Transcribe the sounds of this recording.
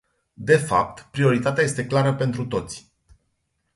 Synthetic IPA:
d̪e̞fa̰p̚t̪pɾio̞ɾit̪at̪eaje̞st̪e̞klaɾəpe̞nt̪ɾut̪o̞t̪sʲ

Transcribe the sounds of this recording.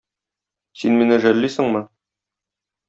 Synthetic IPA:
sinminɘʒælːisɘɴmɤ

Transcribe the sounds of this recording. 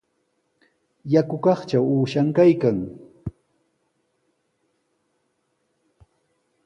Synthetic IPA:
jakʊkɑχt͡ʃawuːʃaŋkajkaŋ

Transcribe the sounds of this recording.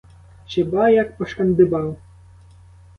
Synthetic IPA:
ɕɛbajakpɔʂkand̪ɨbaw

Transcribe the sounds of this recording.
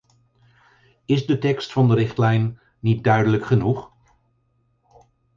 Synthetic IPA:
ɪzdətɛkstfɑndəɾɪχtlɛjnː | it̚dœɥdələkχənuχ

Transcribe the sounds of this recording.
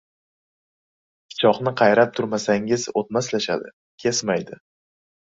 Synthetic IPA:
pʲʰɪ̥t͡ʃʰɒqnɪqʰɑjɾap̚t̪ʰʊɾmasaŋɪzot̪̚maslaʃa̰d̪ɪ̰ | kʲʰesmajd̪ɪ

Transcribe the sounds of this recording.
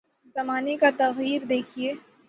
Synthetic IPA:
zɐmaːnekat̪ɐɣiːɾd̪eːkʰieː

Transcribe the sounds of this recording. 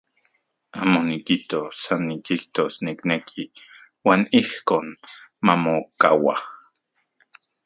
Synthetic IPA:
amonikit̪osanːikiɬt̪osniknekʰi | waːnihkoːnmamoka̰wa̰

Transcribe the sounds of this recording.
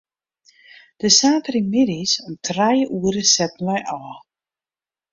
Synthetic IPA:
d̥əsaːtəɾimɪɾisɔmtʰrajʔuəɾəsɛt̚nlɔjʔɔː

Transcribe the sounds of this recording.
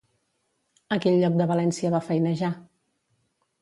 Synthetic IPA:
əkɛʎːɔk̚d̪əβəlɛnsiəβafɛjnəʒa

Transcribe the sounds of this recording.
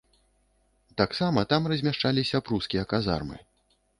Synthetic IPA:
t̪aksamɐt̪amrɐzʲmʲaʂt͡ʂalʲisʲɐpɾuskʲijɐkaza̰rmɨ̰

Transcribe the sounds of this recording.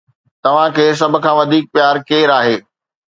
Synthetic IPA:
t̪ɐʋ̤ãkʰeːs̬ɐbʱʊ̆kʰãːʋɐd̪ʱiːk̚pjaːɾkeːɾaːɦeː

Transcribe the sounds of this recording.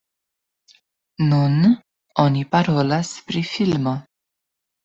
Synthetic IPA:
nun | onipaɾolaspɾifilmo

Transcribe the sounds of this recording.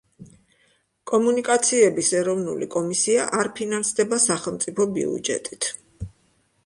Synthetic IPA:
kʼɔmunikʼat̪sʰiɛbisɛɾɔvnṵlḭkʼɔmisiaʔaɾpʰinansd̪ɛbasaχɛlˠmt̪sʼipʰɔbḭṵd͡ʒɛ̰t̪ʼit̪ʰ

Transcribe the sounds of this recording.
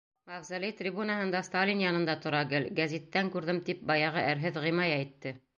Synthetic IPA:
mɑʁzælʲijt̪rʲibunɑɦɤ̆nd̪ɑst̪alʲinjɑnɤ̆nd̪ɑt̪ŏɾɑɡɘlɡæzʲit̪ːæŋkʉɾðɘmt̪ip̚bɑjɑʁɤʔæɾɦɘðʁĭjmɑjæjt̪ːɘ

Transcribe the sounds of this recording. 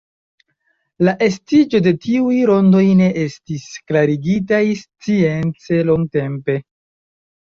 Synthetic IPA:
laʔe̞stid͡ʒo̞de̞tiujɾo̞ndo̞jne̞ʔe̞stisklaɾiɡitajst͡sie̞nt͡se̞lo̞ŋɡ̚te̞mpe̞

